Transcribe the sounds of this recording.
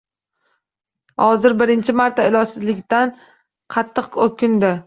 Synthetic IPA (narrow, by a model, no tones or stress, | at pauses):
hɒzɪɾbɪɾɪnt͡ʃʰɪmaɾt̪ʰaɪlˠɒsɪzlɪkʲt̪an | qʰɑt̪ʰːɨqokʲʰɪnd̪ɪ